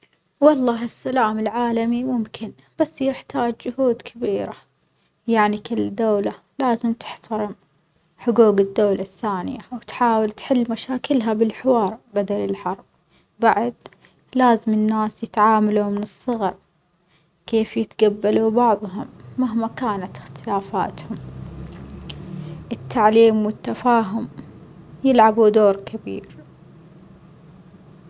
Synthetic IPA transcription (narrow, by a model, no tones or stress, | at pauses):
wɑlˤːɑːɦɪsːalaːmɪlʕaːlamimʊmkʰɪn | b̥asːjɪħt̪aːd͡ʒd͡ʒʊhuːd̪kʰabiːɾa̰ | jaʕnikɪlːd̪ːawla | laːzɪmt̪ɪ̥ħt̪ʰɑɾˤɪm | ħʊɡuːɡɪd̪ːawlaθːaːnɪjawt̪ħaːwɪlt̪ħɪlːmaʃaːkɪlɦabɪlħɪwɑːɾˤbad̪alɪlħɑɾˤb̚ | baʕad̪ | laːzɪmɪnːaːsjɪt̪ʕaːmalumɪnɨsˤːɨɣɑɾˤ | keːfjɪt̪ɡabːalubɑʕðˤɦʊmːaɦmakaːnat̪ɪ̥xt̪ɪlaːfa̰ːt̪hʊm | ʔɪt̪ʰːaʕliːmwɪt̪ːafaːɦʊm | jɪlʕabud̪oːɾˤkʰabḭːɾ